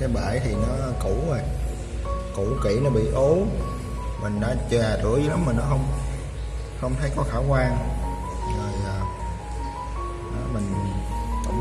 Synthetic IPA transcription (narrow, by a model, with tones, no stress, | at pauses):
kaː˨˦jɓa̰ː˧˨jt̪ʰi˨˩nɔ˨˦ku˧˩o˨˩j | kṵ˧˩kḭ˧˩˥nɔ˨˦ɓḭ˧˨ʔo˨˦ | mï˨˩ŋ̟ɗa̰ː˧˥t͡ɕwaː˨˩t̪ɨ̰˧˥˦əzɨ˨˦la˨˦mːaː˨˩nɔ˨˦xə˧wŋ͡m | xə˧wŋ͡mt̪ʰə˨˦jkɔ˨˦xaː˧˩wkwaː˧ŋ | zəː˨˩jlaː˨˩ | ɗɔ˨˦mï˨˩ŋ̟kə̰˧˦ŋ͡m